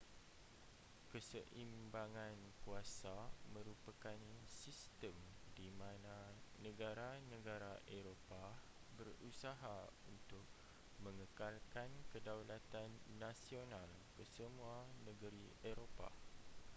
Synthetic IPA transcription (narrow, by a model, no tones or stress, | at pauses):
kəsəʔimbaŋãnkuasamə̃ɾupakansist̪əmdimãnãnə̃ɡaɾanə̃ɡaɾaʔeɾopa | bərusaɦaunt̪ʊk̚ | mə̃ŋəkalkankədawlat̪anːãsional | kəsəmũanə̃ɡəɾieɾopa̰